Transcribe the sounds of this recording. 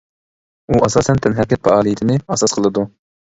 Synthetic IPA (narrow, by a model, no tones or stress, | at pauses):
uʔɑsɑːsɛnt̪ʰɛnɦɛɾkʲːɛt̪̚fɛɑːlˠɨjɪt̪ʰɪnɪɑsɑsqʰəlˠɨd̪u